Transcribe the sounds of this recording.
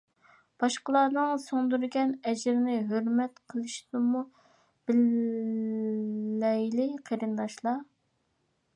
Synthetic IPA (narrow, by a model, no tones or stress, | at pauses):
b̥ɑʃqəlˠɑːnɨŋsoŋd̪uɾɡʲɛnɛd͡ʒɪɾɪnɪɦøɾmɛt̪qʰəlˠɨʃnɨmu | b̥ɪl | ɛjlɪqʰeɾɨnd̪ɑʃlˠɑ